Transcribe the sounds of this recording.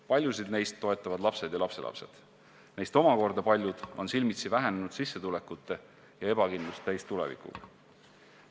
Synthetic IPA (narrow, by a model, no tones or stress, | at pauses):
pɑlʲjusid̪ne̞jst̪ːo̞e̞t̪ˑːɑvɑd̪̥lɑpse̞d̪jɑlɑpse̞̰lɑ̰pse̞̰d̪̥ | ne̞jst̪o̞mɑko̞rd̪̥ɑpɑlʲjud̪̥o̞̰nsilmit̪sivæɦenenud̪̥sisːe̞t̪ule̞kːˑut̪ːˑe̞ | jɑe̞b̥ɑkind̪lust̪t̪æjst̪ulḛvḭkṵɡ